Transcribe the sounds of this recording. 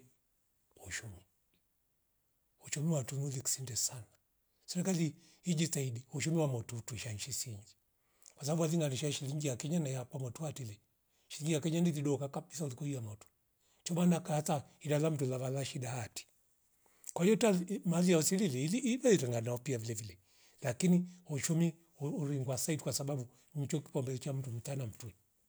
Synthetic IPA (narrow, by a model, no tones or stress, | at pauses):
uʃumi | uʃumiwatunuliki̥sindɛsana | sɛɾɛkali | id͡ʒitaidiuʃumiwamɔtutuiʃaɲʃisiɲd͡ʒi | kwasababualiŋɡaniʃaʃiliŋɡiakɛɲanajakwamɔtuhatilɛ | ʃiliŋɡiakɛɲandiliɗɔkakaɓisaulikɔiamɔtu̥ | t͡ʃɔmanakahatahidalam̩tulavalaʃidahati̥ | kwaijɔtamaliausilililiːlaiɾɛŋɡanaɔpiavilɛvilɛ | lakinihut͡ʃumi | uuɾiŋɡwasaitikwasaɓaɓu | ɲ̩t͡ʃɔki̥pɔmbɛlɛt͡ʃam̩tum̩tanam̩tuli